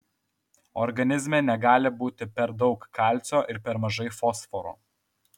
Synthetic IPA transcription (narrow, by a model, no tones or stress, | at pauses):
ɔ̰ɾɡɐnʲɪzʲmʲenʲɛɡɑːlʲɪbuːt̪ʲɪpʲɛɾd̪ɒʊkkːɑˑlʲt̪sʲoːʔɪɾpʲɛɾmɐʒɐɪfɔsfɔɾo̰ː